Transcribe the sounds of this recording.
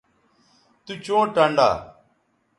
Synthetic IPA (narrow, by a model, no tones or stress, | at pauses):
t̪uːt͡ʃõːʈəɳɖa̰ː